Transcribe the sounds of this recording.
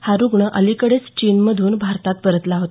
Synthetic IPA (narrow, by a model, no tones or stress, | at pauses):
haɾuɡɳəʔəlikəɽet͡st͡ɕinməd̪ʱuːnbʱaɾt̪at̪̚pəɾət̪laɦot̪